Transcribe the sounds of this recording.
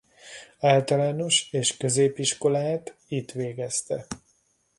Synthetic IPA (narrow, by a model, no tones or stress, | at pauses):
aːlt̪ɒlaːno̞ʃeːʃkø̞zeːpiʃko̞laːt̪it̪ʋeːɡɛst̪ɛ̰